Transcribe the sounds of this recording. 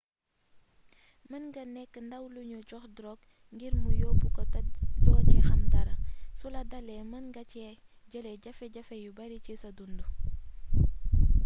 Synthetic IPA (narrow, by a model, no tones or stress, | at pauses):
mənɡɐnɛkːəndɐwluɲut͡ʃɔxdɾɔk | ŋɡiɾmujɔbukɔtdɔːcixɐntɐɾɐsulɐdɐlɛmənɡɐcɛ | ɟəlɛɟɐfɛɟɐfɛjubɐɾicisɐdundu